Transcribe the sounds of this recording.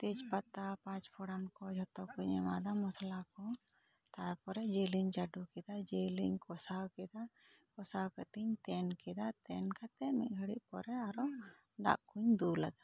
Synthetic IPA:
t̪it͡ʃpat̪apãt͡ʃpʰɔɽamkɔd͡ʒʱɔt̪ɔkuɲɛ̰mad̪amɔslakɔ | t̪ajpɔɾɛd͡ʒeliɲt͡ʃaɖukɛd̪ad͡ʒeliɲkɔsawkɛd̪akɔsawkət̪iɲt̪ɛnkɛd̪at̪ɛnkat̪ɛʔmḭʔ̚ˀɡʱəɽiʔ̚pɔɾɛaɾɔ | ɖa̰ʔkʰuɲd̪ulad̪ḁ

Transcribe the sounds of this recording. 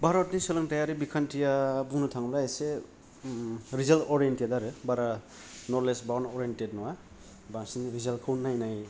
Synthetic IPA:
bʱaɾɔtnisɯlɯŋtajaɾibikʰantijabuŋnɯtʰaŋlaese | ɾizeltɔɾentedaɾɯbaɾa | nɔɾlesbawnɔɾientet̚nɔwa | baŋsinɾizalkʰɯwnːajnaj

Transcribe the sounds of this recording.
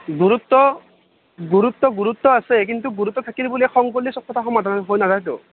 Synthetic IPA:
ɡuɾut̪ːɔ | ɡuɾut̪ːɔɡuɾut̪ːɔasek̬int̪uɡuɾut̪ːɔt̪ʰakilibuliɛxɔŋkolisɔkʰːɔt̪axɔmad̪ʱannɔɦojnad̪ajt̪o̰

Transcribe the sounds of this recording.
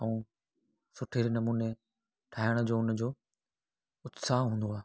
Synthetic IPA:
ɐũː | sʊʈʰɪɾnɐmuːne | ʈʰaːɦɪəɽ̃d͡ʑoːʊnəd͡ʑoː | ʊt̪saɦɦũːnd̪oaː

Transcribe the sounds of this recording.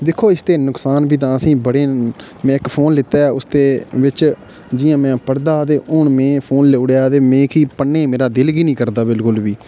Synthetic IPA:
d̪ɪkʰːoːɪst̪eːnʊksaːnbiːt̪̬ãːəsĩːbəɽeː | mɛ̃ːɪkpʰoːnlɪt̪aːʊst̪eːʋɪt͡ʃ | d͡ʒɪjãːmɛ̃ːpəɾd̪aːt̪eːʊɳmẽːpʰoːnleʊɽeaːt̪eːmẽːkiːpəɳːẽːmeːɾaːd̪ɪlɡiːnĩːkəɾd̪aːbɪlkʊlbiː

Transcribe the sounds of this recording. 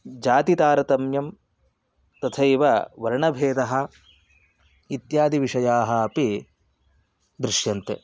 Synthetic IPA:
d͡ʒaːt̪it̪aːɾɐt̪ɐmjɐm | t̪ɐt̪ʰɐjʋɐʋɐɾɐɳɐbʱeːd̪ɐɦɐ̆ | it̪jaːd̪iʋiʂɐjaːɦɐːpi | d̪ɾɪʂjɐnt̪e

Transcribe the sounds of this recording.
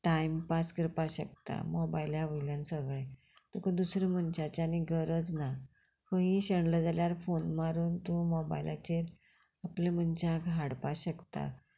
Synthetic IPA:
ʈaimpaskəɾpaɕəkt̪a̰mɔbailjaʋəjljãnsəɡɭe | t̪ukəd̪usɾəmənt͡ɕat͡ɕañiɡʱəɾəd͡zna | fə̃ɦĩɕəɳləd͡zaljaɾfonmaɾuːnt̪ũmɔba̰jilʔa̰t͡ɕeɾ | aplem̤ənt͡ɕaɡʱaɽpaɕəkt̪a̰

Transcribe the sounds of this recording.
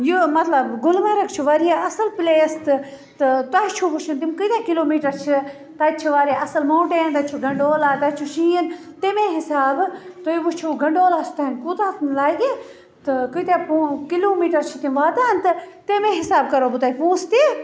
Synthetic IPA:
jumɐt̪lɐbɡʊlmaɾɐkt͡ʃʰuʋaːɾijaːɐsəlpleːst̪ | t̪ɨt̪aɦt͡ʃʰuʋuʃʰint̪imkɨt̪aːkiloːmiːʈɐɾt͡ʃʰi | t̪ɐːt͡ʃʰiʋaːɾiaɐsɐlmoːʈeːnt̪ɐt͡ʃʰuɡɐɳɖoːlaːt̪ɐt͡ʃʰuʃĩːn | t̪emẽːɦɪsaːbt̪ojiʋut͡ʃʰuɡɐɳɖoːlaːst̪ʰankuːt̪aːt̪nlaːɡeː | t̪ɨkɨt̪ãːpukiloːmiːʈɐɾt͡ʃʰit̪imʋaːt̪aːnt̪ɨt̪emẽːɦɪsaːb̚kɐɾoːbut̪aːpuːst̪e

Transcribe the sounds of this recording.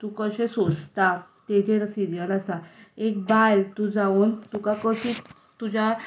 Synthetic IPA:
t̪uːkəɕẽsod͡zt̪at̪eɡʱeɾəsiɾijəlasaekbajlt̪ud͡zaunt̪ukakəɕi | t̪ud͡ʑa

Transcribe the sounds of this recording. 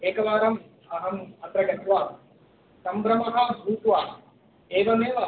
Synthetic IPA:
eːkɐʋaːɾɐm | ɐɦɐmɐt̪ɾɐɡɐt̪ʋaː | sɐmbɾɐmɐɦabʱuːt̪ʋaː | eːʋɐneːʋa

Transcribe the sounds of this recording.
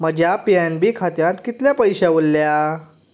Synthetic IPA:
məd͡ʑʱjapianbiːkʰat̪jãt̪kit̪ljapəjɕaʋolːja

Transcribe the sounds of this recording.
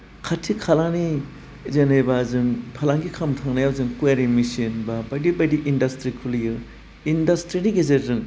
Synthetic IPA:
kʰatʰːikʰalani | zenejbazɯŋpʰalaŋɡikʰamtʰaŋnajawzɯŋkueɾimisinbabadibadiʔindastɾikʰulijɯ | indastɾiniɡezetzɯŋ

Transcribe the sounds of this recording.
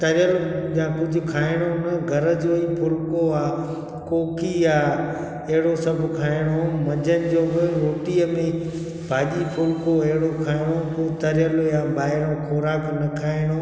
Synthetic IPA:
t̪ɐɾɪjəljãːkʊd͡ʑʱʊ̆kʰaːɪɽ̃onɐɡʱɐɾə̆d͡ʑoːĩpʰʊlkoaː | koːkiaː | ɐɦɪɽosɐbʱkʰaːɪɽ̃omɐd͡ʑʱənɪ̆d͡ʑoːbɪɾoːʈiːəmẽ | bʱaːʄipʰʊlkoɐɦɪɽokʰaːɪɽ̃opoːt̪ɐɾjəljãːɓaːɪɽ̃õkʰɔːɾaːknɐkʰaːɪɽ̃o

